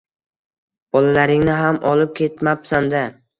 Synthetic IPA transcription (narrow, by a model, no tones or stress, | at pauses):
b̥ɒlalaɾɪŋnɪɦamʔɒlˠɪp̚kʲʰe̞t̪mapsand̪a